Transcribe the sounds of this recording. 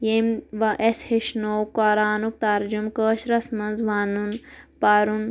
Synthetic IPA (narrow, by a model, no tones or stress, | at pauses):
jemʋɐʔesheʃnoːwkaːɾaːnuk̚t̪ɐɾd͡ʒumkəːʃɾɐsmɐnzʋaːnunpaɾun